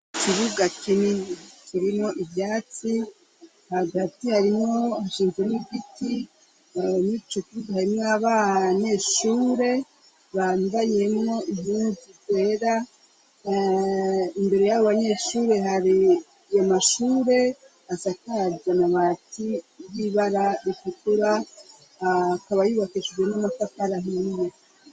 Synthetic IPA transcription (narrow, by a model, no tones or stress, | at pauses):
kiβuɡakinikiɾimŋo̞ʔibjaːt͡si | haɡatihaɾimŋo̞haʃiːnzwemuɡiti | nit͡ʃokiβuɡahaɾimŋaβaɲe̞ʃuːɾe̞ | βandaje̞mŋo̞ʔihuːzikwe̞ːɾa | imbe̞ɾe̞jaβoβaɲe̞ʃuːɾe̞ɦaɾi | jomaʃuːɾe̞ | asakaaɾanaβaːtiβiβaɾaɾitikuɾa | kaβajuːβakid͡ʒd͡ʒemŋonafakaɾaɦije